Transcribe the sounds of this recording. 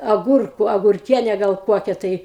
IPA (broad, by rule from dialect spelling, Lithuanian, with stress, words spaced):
ɐˈɡʊrkʊ ɐɡʊrʲˈkʲiɛnʲɛ ˈɡɐlˠ ˈkuɔkʲɛ tɐɪ